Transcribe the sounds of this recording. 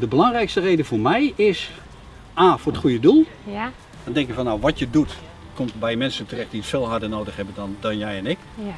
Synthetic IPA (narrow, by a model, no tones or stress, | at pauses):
dəbəlɑŋrɛjkstərejdəfoːrmɛjɪs | aːfoːrətχujədulˠ | d̥ɔndɛŋkɪkfɔnːawʋɔtjədut | komtbɛjmɛnsəntərɛxtdiətfɪːlˠɦardənoːdəxhɛbəndɔndɔnjɛjɛnɪk